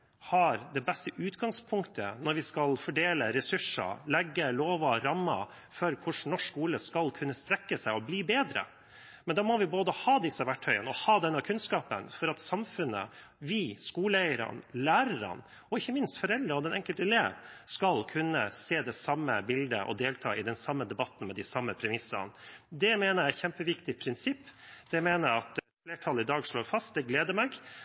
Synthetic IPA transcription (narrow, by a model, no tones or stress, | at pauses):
hɑɾd̪ɛbɛst̪əʔʉːt̪ɡɑŋspʰʊŋkt̪ʰə̰nɔɾʋɪskɑlfɔɖeːləɾɛsʉʂə̰lɛɡːəloːʋɑɾɑmːɑ̰ | fɔɾkʰʊʂnɔʂkuːləskɑlkʰʉnːəst̪ɾɛkːəsæɪɔbliːbeːd̪ɾə̰ | mɛnd̪ɑːmɔʋɪboːd̪əhɑːd̪ɪsːəʋæʈʰœʏənɔhɑːd̪ɛnːɑkʰʉnskɑːpə̰nfɔɾɑt̪sɑmfʉnːə̰ | ʋɪskuːləɛɪəɾɑ̰nlæːɾəɾɑ̰n | ɔɪçːəmɪnst̪fɔɾɛld̪ɾəɔd̪ɛnɛŋkəlt̪əɛleːʋskɑlkʰʉnːəseːd̪ɛsɑmːəbɪld̪ə̰ʔɔ̰d̪eːlt̪ʰɑ̰ːʔɪd̪ɛnsɑmːəd̪ɛbɑt̪n̩mɛd̪ɪsɑmːəpʰɾɛmɪsə̰nd̪ɛmeːnəɾæɪçɛmpəʋɪkt̪ɪpʰɾɪnsɪpːd̪̥ɛmeːnəɾɑt̪ | fleːʈʰɑləɪd̪ɑːɡʂloːɾfɑst̪̚d̪ɛɡleːd̪əɾmɛɡ